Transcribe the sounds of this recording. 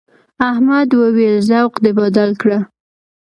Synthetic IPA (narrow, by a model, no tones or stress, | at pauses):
ahmad̪wawelzawqd̪əbad̪alkɽa